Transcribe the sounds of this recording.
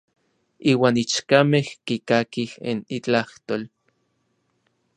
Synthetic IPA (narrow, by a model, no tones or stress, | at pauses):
iːwaːnit͡ʃkamehkikakihenit͡ɬaht̪oːl